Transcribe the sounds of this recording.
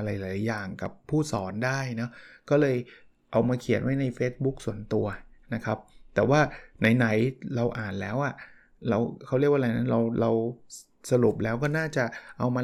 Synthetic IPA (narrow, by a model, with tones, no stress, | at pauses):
ɾa˧jlaː˩˦jːaː˨˩ŋka˨˩pʰːuː˥˩sɔː˩˦ndaː˥˩jnɔ˦˥kɔː˥˩lɤː˧j | ʔa˧wmaː˧kʰi˨˩˦ənwa˦˥jna˧jfeː˦˥t̪̚bu˦˥k̚su˨˩˦ənt̪u˧ɐna˦˥kʰa˦˥p̚t̪ɛː˨˩waː˥˩na˧jna˩˦jɾa˧wʔaː˨˩nlɛ̰ː˦˥wʔa˨˩ | ɾa˧wkʰa˦˥˩wɾi˥˩kwa˥˨˧a˨˩jna˦˥nɾa˧wɾa˧w | sa˧ɾu˨˩p̚lɛː˦˥wkɔː˥˩naː˥˩t͡ɕa˨˩ʔa˧wmaː˧